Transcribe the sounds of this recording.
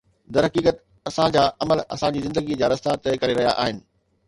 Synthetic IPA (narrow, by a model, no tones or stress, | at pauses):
d̪ɐɾɦɐkiːkət̪ | ɐsãd͡ʑaːʔɐməlɐ̰sãd͡ʑiːzɪ̃nd̪əɡid͡ʑaːɾɐst̪at̪ɐekɐɾeɾɐɦija̰ʔa̰ːɦɪnɪ̆